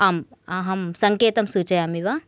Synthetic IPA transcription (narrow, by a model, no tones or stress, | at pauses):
aːmaɦɐmsɐŋkeːt̪ɐmsuːt͡ʃɐjaːmiʋa